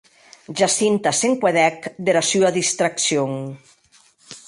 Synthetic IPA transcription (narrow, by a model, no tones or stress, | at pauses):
ʒasint̪aseŋkweðɛkd̪eɾasyaðist̪ɾaksjoŋ